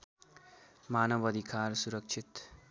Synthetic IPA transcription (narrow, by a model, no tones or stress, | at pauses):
maːnʌbʌd̪ʱikaːɾsuɾʌk̚t͡ʃʰit̪